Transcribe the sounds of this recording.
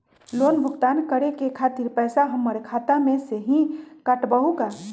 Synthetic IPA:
loːnbʱʊɡt̪aːnkəɾekekʰaːt̪ɪɾpɛːsaɦəmːəɾekʰaːt̪amẽseɦĩkaʈbəɦuka

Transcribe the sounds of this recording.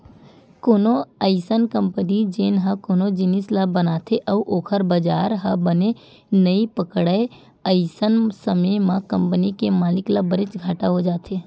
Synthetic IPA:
koːnoəɪsənkə̃mpənid͡ʒeːnɦɐkoːnod͡ʒɪnɪslabənaːt̪ʰeʔɐʋʔoːkʰəɾbəd͡ʒaːɾɦɐbəne | nəipəkɽəe | əɪsənsəmemãkə̃mpənikemaːlɪklabəɾɪt͡ʃɡʱaːʈaɦod͡ʒaːt̪ʰeː

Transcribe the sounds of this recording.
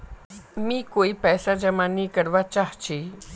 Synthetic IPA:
mĩːkoipɛːsad͡ʒəmanikəɾʋat͡ʃaɦt͡ʃʰe

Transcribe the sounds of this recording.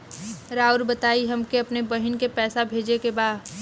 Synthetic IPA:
ɾaːʊɾbɐt̪aːiɦɐmkeɐpnebɐɦɪnkepɛːsabʱeːd͡ʒekebaːd̪

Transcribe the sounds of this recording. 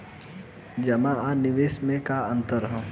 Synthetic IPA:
d͡ʒɐmãanɪʋeːsmẽkaɐ̃nt̪əɾɦõ

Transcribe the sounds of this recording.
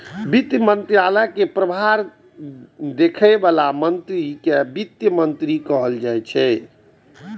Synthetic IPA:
bit̪jəmənt̪ɾijaləkepɾəbʱaɾ | d̪ekʰəbalamənt̪ɾikebit̪jəmənt̪ɾikəɦəld͡ʒajt͡ʃʰɛ

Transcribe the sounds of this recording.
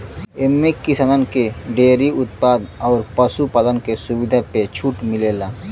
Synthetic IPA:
emːekɪsanənkeɖeːɾiʊt̪̚paːd̪ɔːɾpəsupaːlənkesʊwɪd̪ʱapet͡ʃʰuːʈmɪleːlaː

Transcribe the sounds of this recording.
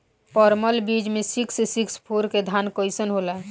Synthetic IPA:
pɔɾməlbid͡ʒmẽsikssikspʰoɾked̪ʱaːnkoɪsənɦola

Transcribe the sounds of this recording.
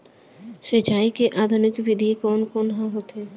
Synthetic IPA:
set͡ʃaːikeʔaːd̪ʱʊnɪkʋɪd̪ʱikɔːnkɔːnɦãɦoːt̪ɦeː

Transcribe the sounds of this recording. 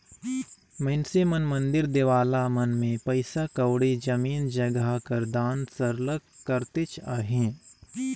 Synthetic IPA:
mɐnsemɐnmɐ̃nd̪ɪɾd̪eːʋaːlamɐnmẽpɐɪsakɐwɽid͡ʒɐmiːnd͡ʒɐɡakɐɾd̪aːnsəɾləkkːəɾt̪ɪt͡ʃaːɦẽː

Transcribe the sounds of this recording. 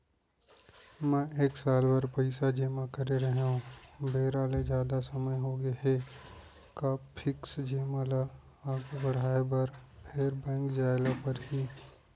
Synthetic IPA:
mɛ̃eːksaːlbɐɾpəɪsad͡ʒeːmãkɐɾeɾɐɦeɦũbeːɾaːled͡ʒjaːd̪asɐməjɦoːɡeɦe | kaːppʰɪksd͡ʒeːmala | aːɡobɐɽ̤aːebɐɾpʰeːɾbɛ̃ːŋkd͡ʒaːɪlapɐɾɦiː

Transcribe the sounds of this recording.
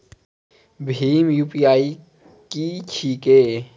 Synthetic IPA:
bʱiːmjuːpiːaːi | kit͡ʃʰiːkeː

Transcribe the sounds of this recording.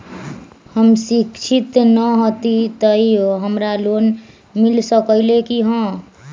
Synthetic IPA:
həmsikt͡ʃʰit̪nəɦot̪it̪əioɦəmɾalon | milsəkəlekiɦə̃

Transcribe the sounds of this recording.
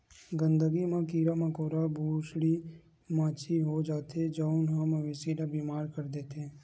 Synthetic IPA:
ɡə̃nd̪əɡimẽkiːɾamãkoːɾabʱuːʃɽi | mãːt͡ʃʰiɦod͡ʒaːt̪ed͡ʒoʊnɦəmʋɪsiɾabiːmaːɾkəɾd̪et̪ʰẽː

